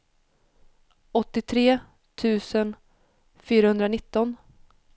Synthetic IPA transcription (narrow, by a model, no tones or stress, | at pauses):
ɔt̪ːɪt̪ʰɾeː | t̪ʰʉ̟ːsən | fyːɾahɵnd̪ɾanɪt̪ːɔn